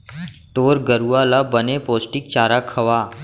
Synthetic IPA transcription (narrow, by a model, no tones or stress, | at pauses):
ʈoːɾɡəɾuaːlabənepoːsʈɪk̚t͡ʃaːɾakʰɐʋaː